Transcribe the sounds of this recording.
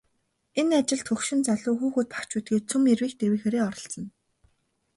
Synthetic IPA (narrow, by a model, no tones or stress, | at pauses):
enat͡ɕɪ̆ɮt̪xɵxʃɪ̆nt͡saɮʊːxuːxuːt̪̚pḁkt͡ɕuːt̪̚ɡeːt͡sʰumerwiːkt̪ʰerwiːxeːɾeːɔɾɞ̆ɬɮɞ̆n